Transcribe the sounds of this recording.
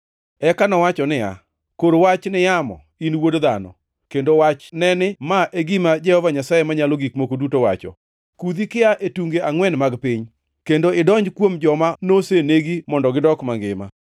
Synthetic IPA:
ɛkanɔwat͡ʃɔnɪa̰ | koɾowat͡ʃnɪjamɔ̰ | inwodd̪anɔ̰ | kendowat͡ʃnɛnɪmaʔeɡimad͡ʒɛhɔvaɲasajemaɲaloɡikmokodutowa̰t͡ʃɔ̰ | kud̪ikɪaʔetuŋɡeaŋwɛnmaɡpɪɲ | kendoɪdɔɲd͡ʒkwomd͡ʒɔmanoseneɡimɔndɔɡɪdɔkmaŋɡɪma̰

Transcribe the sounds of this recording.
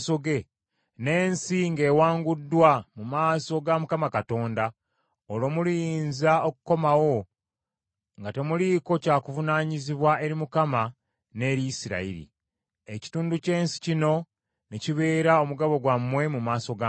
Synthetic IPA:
soɡe̞ | ne̞ːnsiŋɡe̞ːwaːŋɡudːwamumaːso̞ɡamukamakato̞ːnda | olo̞ːmulijiːnzaokuko̞mawo̞ | ŋɡate̞muliko̞caːkuvunaːɲiziβwae̞ɾimukama | ne̞ɾiisiɾa̰ḭɾḭ | eci̥tuːnduce̞ːnsi̥cino̞ | neciβe̞ːɾao̞muɡaβo̞ɡwamːwe̞mumaːso̞ɡa

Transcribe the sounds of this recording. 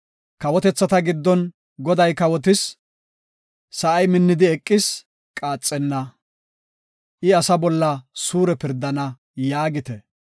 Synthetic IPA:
kɐwɔt̪ɛt͡sːɐt̪ɐɡɪd̪ːɔn | ɡɔd̪ɐjkɐwɔt̪̬ɪs | ɐʔɐjmɪnːɪd̪ɪɛkʼːɪs | kʼaːt͡sʼːɛnːɐ | ʔɪɐsɐbɔlːɐsuːɾɛpɪɾd̪ːɐnɐ | jaːɡɪt̪ɛ

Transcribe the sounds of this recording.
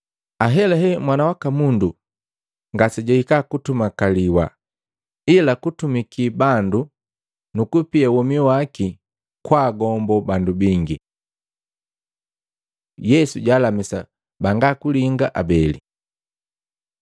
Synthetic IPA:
aɦɛlaɦɛmwanawakamundu | ŋɡasɛɟaikakutumakaliwa̰ | ilakutumikibandu | nukupiawɔmiwaki | kwaːɡɔmbɔbandubiŋɡi | jɛsuɟaːlamisa̰ | baŋɡakuliŋɡaʔabɛli

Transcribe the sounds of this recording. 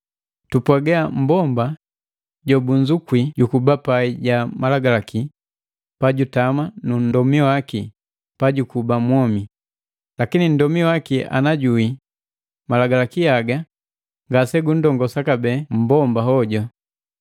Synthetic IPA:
tupwaɡɛam̩bɔmba | ɟɔbuɲd͡ʒukwiɟukubapaiɟamalaɡalaki | paɟutamanun̩dɔmiɔwaki | paɟukubamwɔmi | lakinin̩dɔmiɔwakiʔa̰naɟui | malaɡalakijaɡa | ŋɡasɛɡundɔŋɡɔsakabɛːm̩bɔmbaɦɔɟɔ

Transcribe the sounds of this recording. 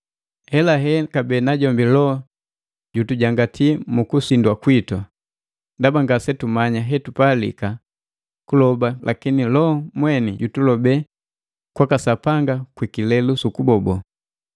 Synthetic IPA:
hɛlaɦɛkabɛnaɟɔmbilɔ | ɟutuɟaŋɡatʰimukusindwakwitwa | dabaŋɡasɛtumaɲaɦɛtupalḭka | kulɔbalʔa̰kinilɔmwɛniɟutulɔbɛ | kwakasapaŋɡakwikilɛlusukubɔbɔ

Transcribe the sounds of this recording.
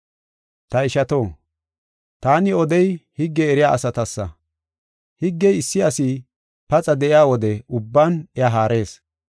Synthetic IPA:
t̪ɐɪʃɐt̪o̞ː | t̪aːnɪɔd̪ɛjhɪɡːɛːɾɪjaːʔɐsɐt̪ɐsːɐ̰ | hɪɡːɛjɪsːɪɐsi | pɐt͡sʼɐd̪ɛʔɪjaːwɔd̪ɛʊbːaːnɛaɦaːɾʔe̞ːs

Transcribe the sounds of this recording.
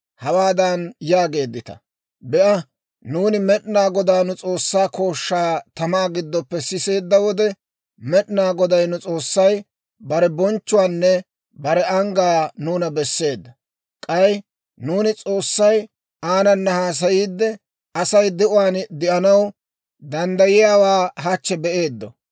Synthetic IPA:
hɐwaːd̪ɐnjaːɡe̞ːd̪ːɪt̪ɐ̥̰ | bɛʔɐ | nuːnɪmɛɗnaːɡɔd̪aːnʊt͡sʼo̞ːsːaːko̞ːʃːaːt̪ɐmaːɡɪd̪ːɔpːɛsɪse̞ːd̪ːɐwɔd̪ɛ | mɛɗnaːɡɔd̪ɐjnʊt͡sʼo̞ːsːɐj | bɐɾɛbɔnt͡ʃːʊwaːnːɛ | bɐɾɛɐŋɡaːnuːnɐbɛsːe̞ːd̪ːɐ | kʼɐj | nuːnɪt͡sʼo̞ːsːɐj | aːnɐnːɐhaːs̬ɐjiːd̪ːɛ | ɐsɐjd̪ɛʔʊwaːnd̪ɪʔɐnɐw | d̪ɐnd̪ɐjɪjaːwaːɦɐt͡ʃːɛbɛʔe̞ːd̪ːɔ̰

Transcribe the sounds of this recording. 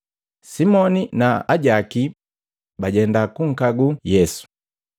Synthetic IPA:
simɔninaaɟaki | baɟɛndakuŋ̩kaɡujɛsu̥

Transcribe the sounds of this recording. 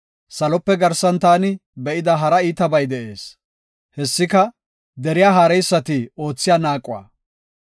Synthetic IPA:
sɐlɔpːɛɡɐɾsɐnt̪aːnɪbɛʔɪd̪ɐɦɐɾɐiːt̪ɐbɐjd̪ɛʔe̞ːs | hɛsːɪkɐ | d̪ɛɾɪjaːɦaːɾɛjsːɐt̪ɪo̞ːt͡sːɪjaːnaːkʼːʊwa̰ː

